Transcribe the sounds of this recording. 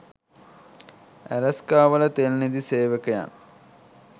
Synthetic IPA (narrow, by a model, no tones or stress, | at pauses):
ælɐskaːʋələt̪elnid̪iseːʋekəja̰n